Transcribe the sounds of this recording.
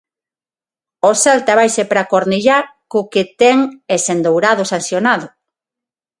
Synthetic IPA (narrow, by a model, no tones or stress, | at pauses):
osalt̪aβajsepɾakoɾniʎakʊket̪ɛŋesend̪owɾaðʊsanθjonaðʊ